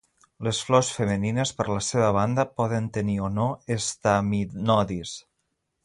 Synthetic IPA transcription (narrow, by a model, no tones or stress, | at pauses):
ləsflɔsfəməninəspəɾləseβəβ̞and̪əpɔðənt̪ənionoest̪aminɔðis